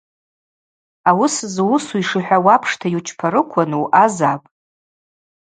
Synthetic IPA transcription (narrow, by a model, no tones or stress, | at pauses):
awʊszwʊsuiʂɨħʷᶣawapʰʂtʰajut͡ʃʰpʰaɾɨkʷʰanuʔazapʼ